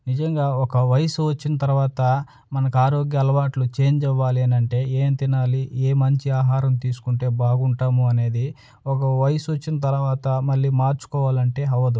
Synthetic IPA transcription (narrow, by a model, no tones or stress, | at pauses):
nid͡ʒɐŋɡaːɔkɐʋɐjɐsuʋɐt͡ʃːinɐt̪ɐɾuʋaːt̪ɐ | mɐnɐkuaːɾo̞ːɡjɐːlɐʋaːʈlut͡ʃe̞ːɲd͡ʒɛʋːaːliɐnɐɳʈe̞ːeːnt̪inaːlieːmɐɲt͡ʃiaːɦaːɾɐmt̪iːsu̥kuɳʈe̞ːbaːɡuɳʈaːmuɐne̞ːd̪i | ɔkɐʋɐjɐsuʋɐt͡ʃːinɐt̪ɐɾuʋaːt̪ɐmɐlːiːmaːɾt͡ʃu̥kɔːʋaːlɐɳʈe̞ːɦɐʋɐd̪u